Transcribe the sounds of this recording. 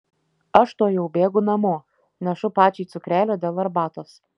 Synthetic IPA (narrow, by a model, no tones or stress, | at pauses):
ɐʃt̪oːjɛʊbʲeːɡʊnɐmoː | nʲɛʃʊpɑːt͡ʃʲɛɪt̪sʊkɾʲæːlʲoːd̪ʲeːlˠɐɾbɑːt̪oːs